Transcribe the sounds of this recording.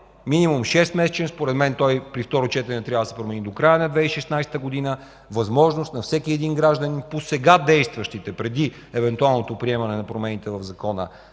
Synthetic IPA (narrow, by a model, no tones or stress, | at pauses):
minimumʃɛst̪mɛsɛ̥t͡ʃɛnspoɾɛd̪mɛnt̪ɔjpɾift̪ɔɾot͡ʃɛt̪ɛnɛt̪ɾʲjavd̪əsɛpɾomɛnid̪okɾajənɐd̪vɛiʃɛsnajst̪əɡʊd̪inə | vɐzmɔʒnost̪nɐfsɛkiɛd̪inɡɾaʒd̪əninposɛɡad̪ɛjst̪vɐʃt̪it̪ɛpɾɛd̪i | ɛvɛnt̪ualˠnot̪opɾiɛmɐnɛnɐpɾomɛnit̪ɛvɐvzɐkɔnə̰